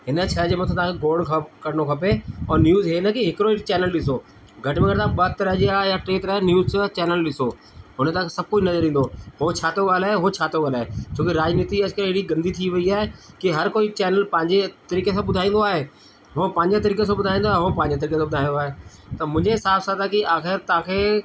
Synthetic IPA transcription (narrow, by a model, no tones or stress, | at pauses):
ɦɪnə̆t͡ɕʰɐd͡ʑeːmɐt̪ʰõt̪ãkeɡoːɖkʰkɐɾnokʰɐpeɔ̃ːɾnjuːzɦeːnəkiɦɪkɪɾoit͡ɕɛːnəlɗɪsoː | ɡʱɐʈɪmẽŋɡəɽt̪ãːɓət̪ɐɾəɦd͡ʑiaːɦejaʈɾeːt̪ɐɾaːɦenjuːzt͡ɕt͡ɕɛːnəlɗɪso | ɦʊnət̪aãsɐb̚ʱkoːd͡ʑnɐzəɾĩːnd̪oɦot͡ɕʰaːt̪oɡaːlaːɦeɦot͡ɕʰaːt̪oɡaːlaːɦet͡ɕʰoːkiɾaːd͡ʑniːt̪iɐd͡ʑkɐɾeɦɪɽiɡɐ̃nd̪ʱit̪ʰiʋɐiaːɦekiɦɐɾkoːit͡ɕɛːnəlpɐ̃ɦɪ̃ɲd͡ʑet̪ɐɾiːkes̬ãɓʊd̪ʱaːĩːn̆d̪oaːɦeː | ɦõpɐ̃ɦɪɲd͡ʑet̪ɐɾiːkesãɓʊd̪ʱaːĩnd̪oaːɦeɦõpɐ̃ːɪɲd͡ʑet̪ɐɾiːkesãɓʊd̪ʱaːĩnd̪oaːɦeːt̪ɐmʊ̃ɦɪ̃ɲd͡ʑeɪsaːbsat̪ãkiʔaːxɪɾt̪ɐãːkʰe